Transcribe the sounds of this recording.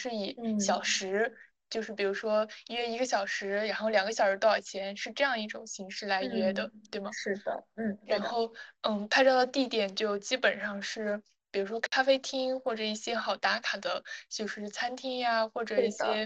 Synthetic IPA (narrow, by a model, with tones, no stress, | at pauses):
ʂɻ̩˥˩i˨˩˦ɕjɑ˨˩ʊʂɻ̩˧˥ | t͡ɕjo˥˧ʊʂɻ̩˥˩pi˨˩ɻu˧˥ʂwɔ˥ɥɛ˥i˧˥ɡə˧ɕjɑ˨˩ʊʂɻ̩˧˥ɻa˧˥nxo˥˩ʊljɑ˨˩ŋɡə˦ɕjɑ˨˩ʊʂɻ̩˧˥t̪ɑ˥˩˨t͡ɕʰjɛ˧˥nʂɻ̩˥˧ʈ͡ʂɤ˥˧jɑ˥˧ŋi˥˩ʈ͡ʂʊ˨˩ŋɕi˧˥ŋʂɻ̩˥˩la˧˥ɪɥɛ˥d̪ə˨t̪we˥˩ɪbɐ˨˩ɻ̩˥˩d̪ə̰˩n̩˥˩ɻa˧˥nxo˥˧ʊn̩˥˩pʰa˥˧ɪʈ͡ʂɑ˥˩d̪ə˩t̪i˥˩t̪jɛ˨˩nt͡ɕjo˥˧ʊt͡ɕi˥pə˨˩nʂɑ˥˧ŋʂɻ̩˥˩ | pi˨˩ɻu˧˥ʂwɔ˥kʰa˥fe˥ɪt̪ʰi˥ŋxwɔ˥˩ʈ͡ʂɤ˨˩i˥˩ɕjɛ˥xɑ˨˩ʊt̪a˧˥kʰa˨˩d̪ə˦t͡ɕjo˥˧ʊʂɻ̩˥˧˩t͡sʰa˥nt̪ʰi˥ŋa˧xwɔ˥˩ʈ͡ʂɤ˨˩i˥˩ɕjɛ˥